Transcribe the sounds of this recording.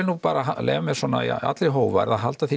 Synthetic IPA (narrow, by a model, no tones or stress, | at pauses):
ɪnupaːɾaɦalḛːɣamɛðsɔːna̰ḭa̰t̪lɪɦoːwva̰ɾðaðɦalt̪aθi